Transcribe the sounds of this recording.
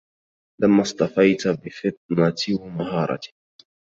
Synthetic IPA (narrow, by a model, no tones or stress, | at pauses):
lʔamːasˤt̪ɑfɑjt̪bɪfɪt̪̚ˤnat̪ɪwmaɦɑːɾˤɑ̰t̪